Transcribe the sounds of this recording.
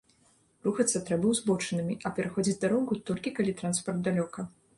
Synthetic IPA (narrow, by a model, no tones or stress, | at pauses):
ruxɐt̪sːɐt̪ɾɛbɐwzbɔt͡ʂɨnɨmʲiʔɐpʲɛɾaxɔd͡zʲit͡sʲd̪aɾɔɣut̪ɔlʲkʲikalʲit̪ɾanspɐrd̪̚d̪alʲɔkɐ